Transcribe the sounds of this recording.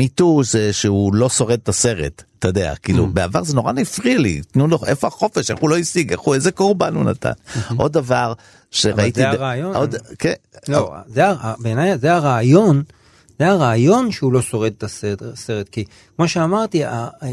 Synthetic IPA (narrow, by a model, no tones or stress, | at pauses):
mituzeʃeulo̞so̞ʁed̪̚tase̞ʁe̞̰t̪tːedea̰kḭːlṵbeavaʁzeno̞ʁanifʁialḭt̪nuloʔefoaχo̞fe̞ʃe̞χulo̞isiɡḛχuezeko̞ʁbanuna̰ta̰nʔo̞̰d̪avaʁ | ʃeʁait̪iʁajoʔod̪keo̰zeaabeenajazeaʁaːjo̞n | z̥eaʁaːjo̞nʃeulo̞so̞ʁed̪̚t̪asedseʁet̪ki | kmo̞ʃeamaʁt̪ia